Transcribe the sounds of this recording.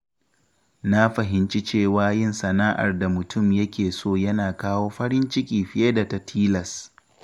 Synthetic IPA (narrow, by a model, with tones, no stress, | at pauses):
na˦ɸɐ˨ɦɪ˨nt͡ʃi˦t͡ʃeː˦˨waː˨˦jɪ˦˨nsɐ˨naː˦ʔa̰˨rda˨mʊ˨tʰʊ˦˨mjɐ˦kʲeː˨soː˦˨jɐ˦naː˨kaː˦woː˦ɸɐ˦ɽɪ˦nt͡ʃɪ˦kʲiː˨ɸɪ˦je˦da˨tɐ˨tʰiː˦lɐ˨s